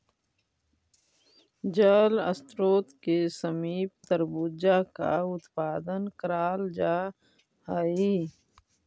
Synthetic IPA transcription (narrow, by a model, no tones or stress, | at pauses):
d͡ʒaːlə̰st̪ɾoːt̪kesəmiːb̚t̪əɾbud͡ʒaka̰ʊt̪paːd̪ənkəɾaːld͡ʒaː | aːiː